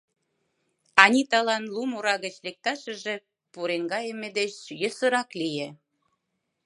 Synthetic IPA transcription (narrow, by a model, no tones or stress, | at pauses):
ɑnʲit̪ɑlɑnlumuɾɑɣət͡ɕlek̚t̪ɑʃə̆ʒe | puɾeŋɡɑjəmːed̪eɕjə̆sə̆ɾɑklije